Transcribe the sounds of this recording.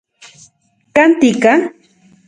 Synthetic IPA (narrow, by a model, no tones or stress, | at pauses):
kant̪ika